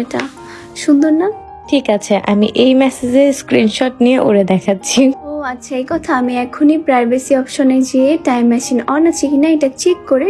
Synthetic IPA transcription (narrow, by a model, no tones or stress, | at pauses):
eʈa | ʃund̪oɾna | ʈʰikat͡ɕʰeʔa̰miʔejmɛsed͡ʑeɾskɾinʃɔʈnijeʔoɾed̪ɛkʰatːɕʰioatːɕʰaejkɔt̪ʰaamiɛkʰonipɾajbesiɔpʃoned͡ʑieʈajmːɛʃinɔnat͡ɕikinaejʈat͡ɕʰikːoɾe